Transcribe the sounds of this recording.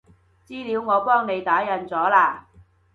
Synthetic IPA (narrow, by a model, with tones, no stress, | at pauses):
t͡siː˥liː˨˧˥wŋɔː˨˧pɔː˥ŋne˨˧jt̪aː˨˥jɐ˨˧nt͡sɔː˨˥laː˧˩